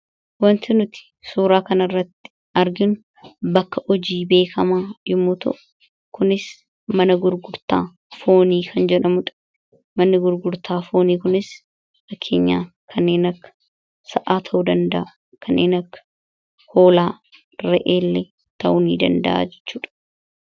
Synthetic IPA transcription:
wɐnt̪ɪnʊt̪ɪ̥ | suːɾaːkɐnɐrːɐt̪ːɪ̥ | ɐɾɡɪnʊ | bɐkːɐʔɔd͡ʒiːbe̞ːkʰɐmaːjɪmːuːt̪ɐ̰ʔʊ | kʊnɪs | mɐnɐɡʊɾɡʊɾt̪a̰ː | fo̞ːniːkʰɐnd͡ʒɛᶑɐmʊᶑɐ̥ | mɐnːɪɡʊɾɡʊɾt̪aːfo̞ːniːkʊnɪs | fɐkʰːe̞̰ːɲːa̰ː | kʰɐnːeːnɐkːɐ̥ | sɐʔaːt̪ʰɐʔʊd̪ɐnd̪ɐʔa | kʰɐnːḛːnɐkːɐ̥ | ho̞ːlaː | ɾɛʔeːlːɛ | t̪ɐ̰ʔʊnḭːd̪ɐ̰nd̪ɐ̰ʔa̰ːd͡ʒɛ̥t͡ʃːuːᶑ̥

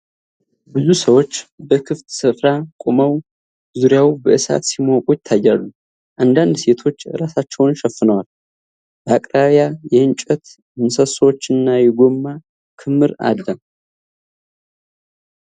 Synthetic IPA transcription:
bɨzusəwo̞t͡ʃːbəkʰɨft̪sɨfɾakʼoməw | zuɾjawbəʔɨsa̰t̪simokʼut̪t̪ʰajːalːu | ʔand̪and̪se̞t̪ʰo̞t͡ʃːɾasat͡ʃːɛwnʃɛfːɨnəwal | b̥əakʼɾaβjajɛɨnt͡ʃʼət̪ | ɨnsəswot͡ʃːɨnːajɛɡo̞mːa | kʰɨmːɨɾa̰d̪ːə

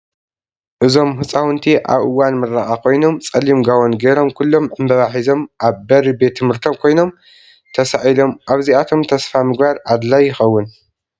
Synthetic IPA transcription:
ʔɨzo̞mhɨt͡sʼawʊnt̪ʰiʔa̰βʔɨwːanmɨɾːaʔakʰo̞jno̞mt͡sʼɐlːimɡawo̞nɡeɾo̞mkʰulːo̞mʕɨmbɐβaħizo̞mʔaβbɐɾibe̞t̪ʰːɨmhɨɾt̪ʰo̞mkʰo̞jno̞m | t̪ʰɐsaʕilo̞mʔaβziat̪ʰo̞mt̪ʰɐsfamɨɡbaɾʔad̪lajːɪxɐwːʊn

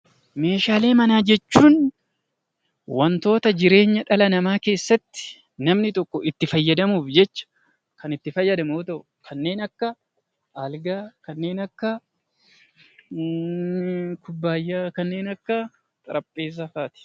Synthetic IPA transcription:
me̞ːʃaːle̞ːmɐnaːd͡ʒɛt͡ʃːuːn | wɐnt̪o̞ːt̪ɐd͡ʒɪɾe̞ːɲːɐᶑɐlɐnɐmaːke̞ːsːɐt̪ːɪ̥ | nɐmnɪt̪ɔkːɔʔɪt̪ːɪfɐjːɐd̪ɐmuːfd͡ʒɛt͡ʃːɐ̥ | kɐnɪt̪ːɪfɐjːɐd̪ɐmoːt̪ɔʔ | kʰɐnːe̞ːnɐkːɐ | ʔalɡaːkɐnːe̞ːnɐkːɐ | kʰʊbːaːjːaːkɐnːe̞ːnɐkːɐ | t̪ʼɐɾɐpʼːeːs̬ɐfaːt̪ɪ̥

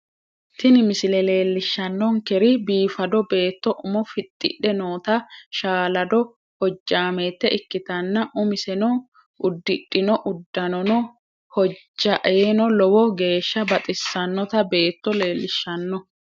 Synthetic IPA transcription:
t̪ɪnɪmɪsɪlɛle̞ːlːɪʃːɐnːɔŋkɛɾɪbiːfɐd̪ɔbe̞ːt̪ːɔʔʊmɔfɪt̪ʼːɪ̰ɗɛnoːt̪ɐʃaːlɐd̪ɔ | hɔd͡ʒːaːmeːt̪ːɛɪkːɪt̪ɐnːɐʔʊmɪsɛnɔ | ʊd̪ːɪɗːɪnɔʔʊd̪ːɐnɔnɔ | hɔd͡ʒːɐʔeːnɔlɔwɔɡe̞ːʃːɐbɐt̪ʼɪsːɐnːɔt̪ɐbe̞ːt̪ːɔle̞ːlːɪʃːɐnːɔ

